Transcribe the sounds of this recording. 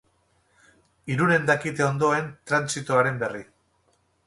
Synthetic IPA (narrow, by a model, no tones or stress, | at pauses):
iɾuɾe̞nd̪akit̪e̞o̞nd̪o̞e̞nt̪ɾansit̪oaɾe̞mbe̞ri